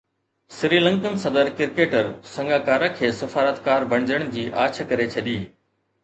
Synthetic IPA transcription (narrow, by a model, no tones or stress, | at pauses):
sɪɾiːlə̃ŋkənsɐd̪əɾkɪɾkeːʈəɾsɐ̃ŋɡaːkaːɾãkʰeːsɐfaːɾət̪kaːɾbʱɐɽ̃d͡ʑəɽ̃d͡ʑiːʔaːt͡ɕ̆ʰkɐɾet͡ɕʰɐɗiː